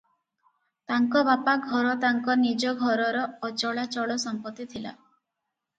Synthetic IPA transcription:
t̪aŋkɔbapaɡʱɔɾɔt̪aŋkɔnid͡ʒɔɡʱɔɾɔɾɔːt͡ʃɔɭat͡ʃɔɭɔsɔmpɔt̪ːit̪ʰila̰

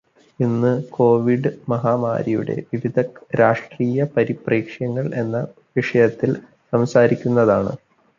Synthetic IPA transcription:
inːɨko̞ːʋiɖɨmɐɦaːma̰ːɾijṵɽe̞̰ʋiʋid̪ʱɐɾaːʂʈriːjɐpɐɾipriːkʂjɐŋːɐɭe̞nːɐ | ʋiʂɐjɐt̪ːil | sɐmsaːɾikʲːunːɐðaːɳɨ̰

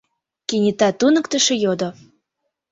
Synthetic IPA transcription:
kinʲit̪ɑt̪unə̆kt̪ə̆ʃĕjod̪o

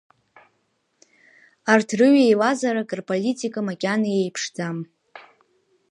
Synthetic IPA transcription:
artʰrɨɥejwazaɾakʼɨrpʼolitʼikʼamakʲʼanaje̞jpʰʂd͡zam

